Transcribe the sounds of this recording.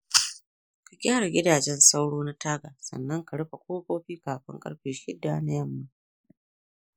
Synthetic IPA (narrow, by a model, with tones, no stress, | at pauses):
ka˨ɡʲaː˦ɽa˨ɡʲɪ˦daː˨d͡ʒɛ˦nsa˦wɽoː˦na˦tʰaː˦ɡaː˨sɐ̰˨nːɐ˦ŋka˨ɽɐ˦ɸa˨kʷoː˦kʷoː˦ɸiː˦kaː˨ɸɪ̰˦ŋkʼɐ̰˦ɽɸeː˨ʃɪ˦dːaː˦na˦jɐ˦˨mːa˨